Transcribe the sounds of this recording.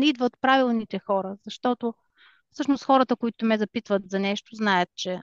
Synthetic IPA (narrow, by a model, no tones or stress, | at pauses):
ɛid̪vət̪pɾavilˠnit̪ɛxɔɾəz̥ɐʃt̪ɔt̪o | fsɤʃnosxɔɾət̪əkoit̪omɛzɐpit̪vət̪zɐnɛʃt̪oznajət̪̚t͡ʃɛ